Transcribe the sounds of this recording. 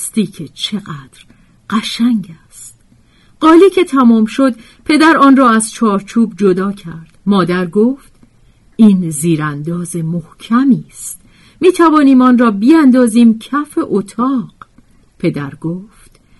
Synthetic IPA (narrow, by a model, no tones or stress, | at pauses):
st̪iːcʰe̞t͡ʃʰe̞ɣæːd̪̥ɾ | ɢ̥æʃæŋɟæst̪̚ | ɢɒːliːcʰe̞t̪ʰæmɔːmʃo̞d̪ | pʰe̞d̪æɾɒːnrɒːæz̥t͡ʃʰɒːɾt͡ʃʰuːb̚d͡ʒo̞d̪ɒːcʰæɾd̪̥mɒːd̪æɾɡoft̪ | iːnziːɾænd̪ɒːze̞mohcʰæmiːst̪̚ | miːt̪ʰævɒːniːmɒːnrɒːbiːænd̪ɒːziːmcʰæfe̞ʔot̪ʰɒːɢ̥ | pʰe̞d̪æɾɡoːft̪